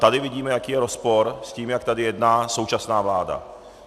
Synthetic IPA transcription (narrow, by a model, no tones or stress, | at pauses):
t̪adɪvɪɟiːmɛjakiːjɛɾo̞spo̞ɾsciːmjakt̪adɪjɛdnaːso̞wt͡ʃasnaːvlaːda̰